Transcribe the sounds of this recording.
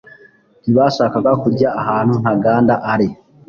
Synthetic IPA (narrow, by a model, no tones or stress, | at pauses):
niβaːʃaːkaɡakuɟaːhaːn̥hun̥aɡaːndaʔaɾi